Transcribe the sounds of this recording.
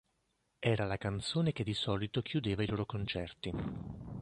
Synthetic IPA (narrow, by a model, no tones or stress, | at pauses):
ɛːɾalakant̪soːnek̟ed̪ːisɔːlit̪ok̟ʰjud̪eːvailoːɾokont͡ʃɛrt̪i